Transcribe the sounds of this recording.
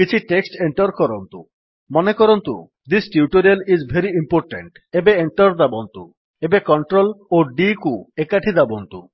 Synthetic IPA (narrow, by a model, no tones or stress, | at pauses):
kit͡ɕʰiʈeksʈeɳʈɔɾkɔɾɔnt̪ṵ | mɔnekɔɾɔnt̪ṵ | d̪isʈjuʈoɾielizbʱeɾiimpoɾʈḛɳʈ | ebeeɳʈɔɾd̪abɔnt̪ṵ | ebekɔɳʈɾoloɖikuekaʈʰid̪abɔnt̪ṵ